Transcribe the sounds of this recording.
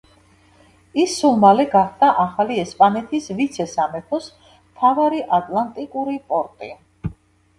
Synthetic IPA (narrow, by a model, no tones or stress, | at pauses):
isːulˠmalɛɡaχd̪aʔaχaliɛspʼanɛt̪ʰisvit̪sʰɛsamɛpʰɔs | mt̪ʰavaɾiʔat̪ʼlant̪ʼikʼuɾipʼɔɾt̪ʼi